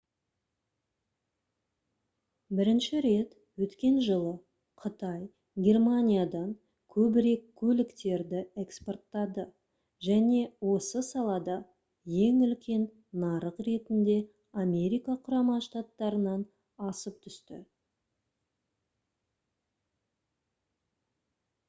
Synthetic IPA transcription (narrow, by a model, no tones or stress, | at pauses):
bɪɾɪnʃɪɾe̞t̪ | wɵt̪kʲe̞nʒəlˠə | qʰət̪ɑj | ɡʲe̞rmanʲijad̪ɑŋ | kʲʰɵbɪɾe̞kʲʰːɵlɪkt̪e̞ɾd̪ɪe̞kspo̞rt̪ːɑd̪ə | ʒæne̞wo̞səsɑlˠɑd̪ɑ | je̞ŋʏlkʲe̞nː | ɑɾəqre̞t̪ɪnd̪e̞ | amʲe̞ɾʲijkɑqʰʊɾɑmɑʃt̪at̪ːɑɾənɑn | ɑsəp̚t̪ʰʏst̪ɪ̰